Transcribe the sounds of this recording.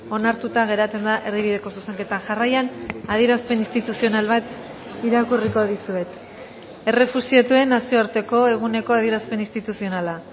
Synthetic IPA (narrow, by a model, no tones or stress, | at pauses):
o̞naɾt̪ut̪aɣ̞e̞ɾat͡se̞nd̪aʔe̞rðiβ̞iðe̞ko̞suse̞ŋke̞t̪anʝarajanaðieɾaspe̞nist̪it̪usio̞nalβat̪ | iɾakuriko̞ð̞isue̞t̪ | e̞re̞fusiat̪ue̞nasio̞aɾt̪e̞ko̞e̞ɣ̞une̞ko̞aðieɾaspe̞nist̪it̪usio̞nala